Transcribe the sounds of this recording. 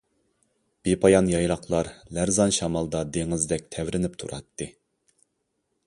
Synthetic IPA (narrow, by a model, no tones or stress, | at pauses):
b̥epʰɑjɑnjɑjɾˠɑqlˠɑɾlæɾzɑnʃɑmɑlˠd̪ɑd̪eŋɪzd̪ɛk̚ʲt̪ʰɛvɾɪnɪp̚t̪ʰṵɾɑ̰t̪ːɨ